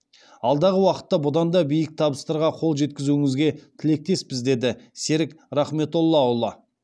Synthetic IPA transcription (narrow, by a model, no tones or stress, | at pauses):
ɑlˠd̪ɑʁəwɑqə̥t̪ːɑbʊd̪ɑnd̪ɑbijɪk̚t̪ʰɑbəst̪ɑɾʁɑqʰo̞lˠʒe̞t̪̚kʲɪzuɪŋɪzɡʲe̞t̪ʰɪle̞k̚t̪e̞spɪzd̪e̞d̪ɪseɾɪkɾɑχme̞t̪o̞lˠːɑɑwlˠɑ